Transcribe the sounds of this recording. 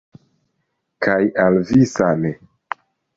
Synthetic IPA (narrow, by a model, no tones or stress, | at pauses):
kʰajalvisane